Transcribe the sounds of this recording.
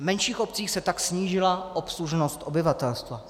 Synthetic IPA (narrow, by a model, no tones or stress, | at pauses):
mɛnʃiːxo̞p̚t͡siːxsɛt̪aksɲiːʒɪlaʔopsluʒnost̪ʔo̞bɪvat̪ɛlst̪va